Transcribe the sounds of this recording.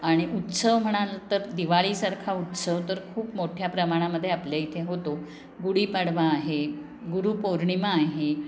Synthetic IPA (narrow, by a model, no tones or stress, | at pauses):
aɽ̃iʔut̪səʋm̤əɽ̃alət̪əɾd̪iʋaɭiːsaɾkʰaut̪səʋt̪əɾkʰuːpmoʈʰjapɾəmaɽ̃aməd̪ʱːjeapljait̪ʰeɦot̪o | ɡuɽiːpaɽʋaːɦe | ɡuɾuːpoɾɳimaːɦe